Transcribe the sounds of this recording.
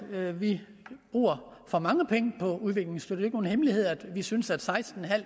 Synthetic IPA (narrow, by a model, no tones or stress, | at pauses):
ʋi | b̥ʁṵːɐfɒ̽mɑ̈ŋəpʰeŋəpʰɒ̽uðˠʋe̝ɡ̥le̝ŋsd̥yøɐdeeɡ̥əno̝ːn̩hemlihe̝ð̞̰ˠæd̥ʋisynsæd̥sɑ̈ɪsd̥n̩ɦæl̰